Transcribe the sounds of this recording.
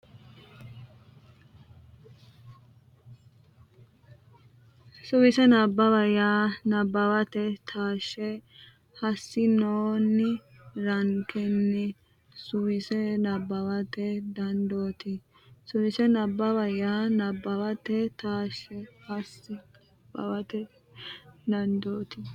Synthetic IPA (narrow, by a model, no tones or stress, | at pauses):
sʊwɪsɛnɐbːɐbɐjaːnɐbːɐwɐt̪ɛt̪ʰaːʃːɛ | hɐsːɪnoːnːɪ | ɾɐŋkɛnːɪ | sʊwɪsɛnɐbːɐwɐt̪ɛd̪ɐnd̪oːt̪ɪ | sʊwɪsɛnɐbːɐbɐjaːnɐbːɐwɐt̪ɛt̪aːʃːɛhɐsːɪ | bɐ̰wɐt̪ɛ | d̪ɐnd̪oːt̪ɪ